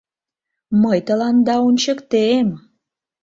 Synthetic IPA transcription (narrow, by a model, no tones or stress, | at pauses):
məjt̪əlɑnd̪ɑonʲt͡ɕəkt̪em